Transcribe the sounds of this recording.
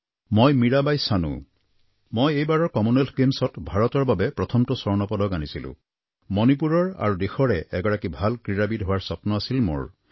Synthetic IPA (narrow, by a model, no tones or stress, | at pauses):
mojmiɹabajsanṵ̃ | mojejbaɹɔɹkɔmunelɡemsɔtbʱaɹɔtɔɹbabɛpɹɔt̪ʰɔmtɔsɔɹnɔpɔdɔkanisilʊ̰̃ | mɔnipuɹɔɹa̰ɹudexɔɹɛʔɛɡɔɹakibʱalkɹiɹabidɦowaɹsɔpnɔasilmo̰ɹ